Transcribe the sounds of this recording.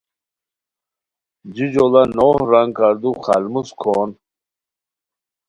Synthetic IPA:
d͡ʑid͡ʑolɐnohɾaŋkaɾd̪uχalmuskʰoːn

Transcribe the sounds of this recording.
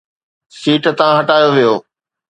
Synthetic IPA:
siːʈt̪ɐʋãɦɐʈaːjoʋijoː

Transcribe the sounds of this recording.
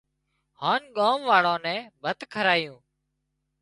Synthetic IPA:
haːnɠaːmʋaːɽõːnɛ̃ːbʱət̪kʰəɾaːjũː

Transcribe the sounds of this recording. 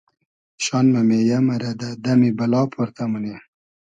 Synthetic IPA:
ʃɑnmamejamaɾad̪ad̪amibalɑːpʰoɾt̪amune

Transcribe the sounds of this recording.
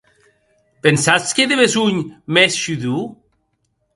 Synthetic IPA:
pensat͡skeðeβezuɲmɛsʃyðu

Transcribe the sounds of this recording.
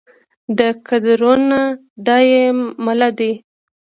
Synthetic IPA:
d̪əkad̪ɾona | d̪ɑjemalad̪i

